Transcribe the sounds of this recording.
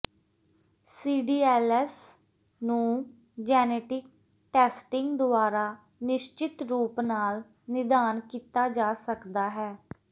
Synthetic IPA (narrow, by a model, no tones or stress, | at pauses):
siːɖiːɛːlɛːs | nũː | d͡ʒɛːneːʈɪk̚ | ʈɛːsʈɪŋɡd̪ʊaːɾaː | nɪʃt͡ʃɪt̪ɾuːpnaːl | nɪd̪aːnkiːt̪aːd͡ʒaːsəkd̪aːɦɛː